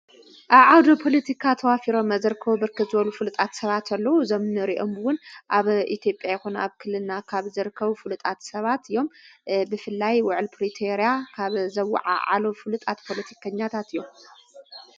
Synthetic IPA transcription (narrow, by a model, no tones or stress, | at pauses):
ʔaβʕawd̪opʰo̞lɐt̪ʰikʰat̪ʰɐwafiɾo̞mːɐzɨɾɨkʰːɐβubɨɾkʰɨt̪zɨβɐlufɨlut̪ʼat̪sɐβat̪ɐlːɐwuzɐmnɨɾiʔombwʊnʔaβʔit̪ʰjo̞pʼjajɛxunaβkʰɨlːɨnakʰaβzɨɾɨkʰːɐβufɨlut̪ʼat̪sɐβat̪ɨjːo̞mbɨfɨlːajwʊʕɨlpʰɾit̪ʰoɾjakʰaβzɐwa̰ʕa̰ʕa̰lofɨlut̪ʼat̪pʰo̞lɐt̪ʰi̥kʰɐɲːat̪ʰat̪ɨjːom